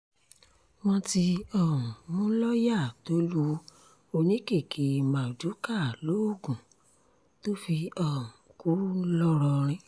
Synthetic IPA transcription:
w̃ɔ̃˧ti˧ɔ˦˨ũ˨mũ˦lɔ˦ja˦˨to˦lu˦ | o˧nĩ˦ke˦˨kʰi˨˦mã˨d͡ʒu˨˦ka˦˨lo˨˦o˦˨ɡũ˨˦ | to˦fi˧ɔ˦˨ũ˨ku˨˦lɔ˦ɾɔ˧ɾ̃ĩ˧

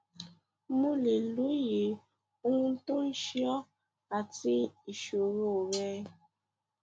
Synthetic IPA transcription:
mu˦le˨lu˨˦ji˨ | u˦ŋu˦to˦n̩˦ʃi˦ɔ˦ | a˨ti˦i˨ʃo˨ɾo˦˨ɾɛː˦

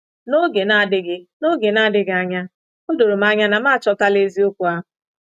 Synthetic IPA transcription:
no˦ɡe˨na˦˨dɪ˦ɡɪ˦no˦ɡe˨na˦˨dɪ˦ɡa˨ɲa˦ | n̩˦do˨ɾo˨m̩˦a˦ɲa˦na˨m˦a˦˨t͡ʃɔ˦ta˦le˦zi˦o˦kʷu˨a˦

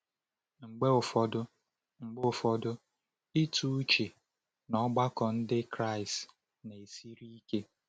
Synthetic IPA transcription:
ŋ͡m̩˨ɡ͡be˦ʊ˨fɔ˦dʊ˦ | ŋ͡m̩˨ɡ͡be˦ʊ˨fɔ˦dʊ˦ | i˦tu˨˦u˦t͡ʃe˨ | nɔ˦ɡ͡ba˦kɔ˨n̩˦dɪ˦kɾa˦˨ɪ˨st | ne˨e˨si˦ɾi˦ke˦

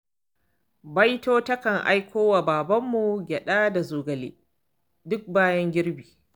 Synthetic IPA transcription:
bɐ˦jtoː˦tɐ˦kɐ˨ŋʔa̰˦jkʷoː˦wa˨baː˨bɐ˦mːu˨ɡʲɛ˨ɗaː˦da˨zuː˨ɡɐ˨lḛː˦ | dʊ˦k̚baː˦jɐ˦ŋɡʲɪ˦ɾbiː˨

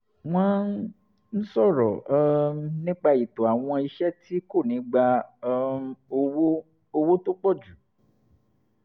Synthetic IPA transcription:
w̃ɔ̃˦n˦ | n̩˦sɔ˦˨ɾɔ̰˨˧ | nĩ˦k͡pa˧i˨to˨a˨w̃ɔ̃˧i˧ʃɛ˦ti˦ko˦˨nĩ˨˦ɡ͡ba˧ | w | o˧wo˦to˦k͡pɔ˦˨d͡ʒu˨˦

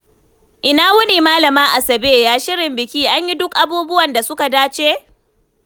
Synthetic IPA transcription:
ʔɪ˨naː˦wʊ˦niː˨maː˦lɐ˨maː˦ʔa˨sɐ˨beː˦jaː˦ʃɪ˦ɽɪ˨mbɪ˨kʲiː˦ʔa˦ɲji˦dʊ˦kʔa˨buː˦bʊ˦wɐ˨nda˨sʊ˦ka˨daː˦t͡ʃeː˦

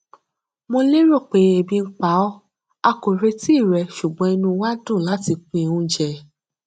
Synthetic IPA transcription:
mo˧le˦ɾo˦˨k͡pe˨˦e˨˧˨bĩ˧ŋ̩˦k͡pa˨˦ɔ˦ | a˧ko˨ɾe˧ti˦˨ɾɛ˨ʃu˨ɡ͡bɔ̃˨˦ɛ˧nũ˧wa˦dũ˦˨la˨˦ti˧k͡pũ˧˨ũ˦d͡ʒɛ˧˨

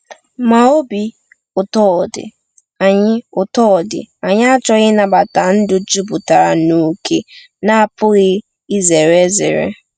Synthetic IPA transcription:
ma˨o˦bi˨ | ʊ˨tɔ˦˨dɪ̰˨ | a˨ɲɪ˦ʊ˨tɔ˦˨dɪ̰˨a˨ɲɪ˦a˦t͡ʃɔ˦ɣɪ˦na˨ba˨ta˨n̩˦dʊ˦d͡ʒu˦bʊ˨ta˨ɾa˨no˦˨kʰe˦ | na˦˨pʊ˦ɣɪ˦ | i˦ze˨ɾe˦zɪ̰˨ɾḛ˦

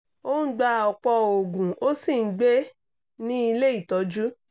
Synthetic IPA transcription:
o˦n̩˦ɡ͡ba˧˨ɔ˨k͡pɔ˧o˨ɡũ˨o˦sĩ˦˨˦ɡ͡be˦ | nĩ˦i˧le˦i˦˨tɔ˨˧˦d͡ʒu˦

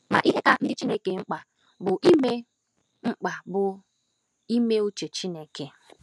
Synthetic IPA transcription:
ma̰˨ʔi˦ɦe˦ka˨n̩˦dɪ˦t͡ʃi˦ne˦ke˨ŋ͡m̩˦k͡pa˨ | bʊ˨ʔi˦me˦ | ŋ͡m̩˦k͡pa˨bʊ˨ | i˦me˦u˦t͡ʃe˨t͡ʃi˦ne˦ke˦

